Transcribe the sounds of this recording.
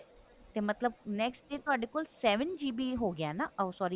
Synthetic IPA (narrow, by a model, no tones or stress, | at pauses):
t̪emɐt̪ləb̚nɛksʈ̚ɖeːt̪oɐɖekʊlsɛːʋənd͡ʒiːbʱiɦoɡɪjanaʔɐʋsɔːɾi